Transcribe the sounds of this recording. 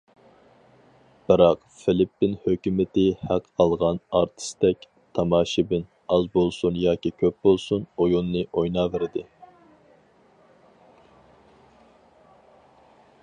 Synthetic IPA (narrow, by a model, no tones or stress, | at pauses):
b̥ɨɾɑq | fɪlɪpːɪnhøkʲymɪt̪ɪhæqʰɑlˠʁɑnɑɾt̪ʰɨ̥st̪ɛk̚ʲ | t̪ʰɑmɑːʃibɪn | ɑzbolˠsunjɑːkʲikʲʰøp̚bolˠsunojunːɨʔojnɑːvɪɾɪd̪ɪ